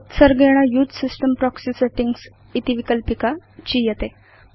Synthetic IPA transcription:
t̪səɾɡeɽ̃ajud̪sisʈəmpɾɔksiseʈiŋɡs | it̪iʋikəlpikat͡ɕiːjət̪e

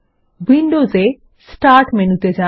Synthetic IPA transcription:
ʋɪ̃ɳɖoːzeː | sʈaːɾʈmẽnut̪ed͡ʒaː

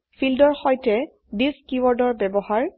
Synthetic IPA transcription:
pʰildɔɹxɔjtɛ | diskiwɔɹdɔɹbɛbɔhaɹ

